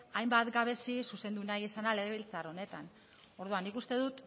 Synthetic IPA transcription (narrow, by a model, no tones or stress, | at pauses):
ajmbat̪ɡaβe̞sisuse̞nd̪unajisanale̞ɣeβilt͡saro̞ne̞t̪an | o̞ɾðuanːikust̪e̞ðut̪